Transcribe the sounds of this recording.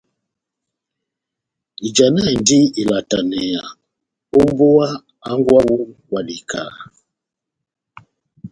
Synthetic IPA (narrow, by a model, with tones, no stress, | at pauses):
i˨d͡ʒa˨na˦˨ndi˦i˨la˨ta˨nɛ˨ja˨ | o˦mbo˦a˦ | a˦ŋɡwa˦wu˦kwa˨li˨kʰa̰˨